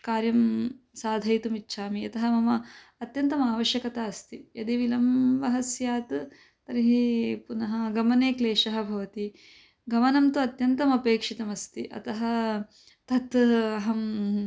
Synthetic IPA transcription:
kaːɾjɐm | saːd̪ʱɐjt̪umitːʃʰaːmiɐt̪ɐɦɐmɐmɐɐt̪jɐnt̪ɐmaːʋɐʃjɐkɐt̪aːɐst̪ijɐd̪iʋilɐmʋɐɦɐsjaːt̪ | t̪ɐɾiɦipunɐɦɐ̆ɡɐmɐneːkleːʂɐɦɐ̆bʱɐʋɐt̪i | ɡʱɐmɐnɐmt̪uɐt̪jɐnt̪ɐmɐpeːkʂit̪ɐmɐst̪iʔɐ̰t̪ɐɦɐ̆ | t̪ɐt̪ɐɦɐm

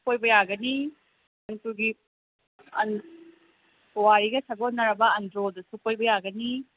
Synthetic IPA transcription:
pʰojbɐjaɡɐni | ɐntuɡi | ɐn | waɾiɡɐsʰɐbonɐɾɐbɐɐndɾodɐsukojbɐjaɡɐni

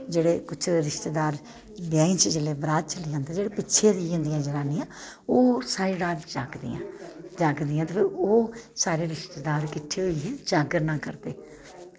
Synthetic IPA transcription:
d͡ʒeːɽeːkʊt͡ʃʰɾɪʃʈ̪eːd̪aːɾ | bɛ̃ːkt͡ʃd͡ʒeleːbəɾaːt̪̚t͡ʃəlːijãːnt̪ad͡ʒeːɽeːpɪtːʃʰeːd̪iːʊ̃nd̪ijãːd͡ʒəɾaːniːãː | oːsaːɾiːɾaːd̪d͡ʒaːkd̪ɪ̰jã̰ːd͡ʒaːkd̪ɪjãːt̪epʰɪɾoːsaːɾeːɾɪʃʈeːd̪aːɾkɪʈʰːeːɦoiːɦɛːd͡ʒaːɡəɾnãːkə̰ɾd̪eː

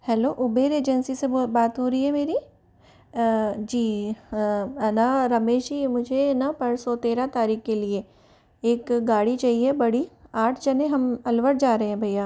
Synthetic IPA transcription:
hɛːloːʔʊbeːɾeːd͡ʒənsisebaːt̪ɦoːɾəiɦɛmeːɾi | d͡ʒiː | ɐnaɾɐmeːʃd͡ʒimʊd͡ʒʱenapɐɽsɔt̪eːɾat̪aːɾiːkkelie | eːkɡaːɽit͡ʃaːɦiebɐɽiaːʈʰd͡ʒɐnẽɦɐmɐlʋəɾd͡ʒaːɾɐɦẽɦɛ̃bʱɐjaː

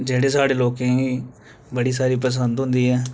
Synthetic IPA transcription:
d͡ʒeːɽeːsaːɽeːloːkẽːi | bəɽiːsaːɾiːp̬əs̬ənd̪ɦʊ̃nd̪iːɦɛː

